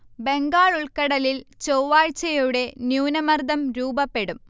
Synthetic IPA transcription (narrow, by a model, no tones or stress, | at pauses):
be̞ŋɡaːɭuɭkɐɽɐlilt͡ɕowʋaːɻt͡ɕːɐjuɽe̞njuːnɐmɐrd̪ɐmɾuːbɐpːe̞ɽum